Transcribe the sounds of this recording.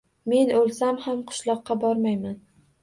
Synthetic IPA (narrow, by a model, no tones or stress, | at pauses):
me̞nolˠsamhamqʰʊ̥ʃlˠɒqːɑbɒɾmajman